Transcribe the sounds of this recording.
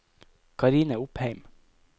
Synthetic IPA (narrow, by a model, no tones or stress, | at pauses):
kʰɑɾiːnəʊpheɪm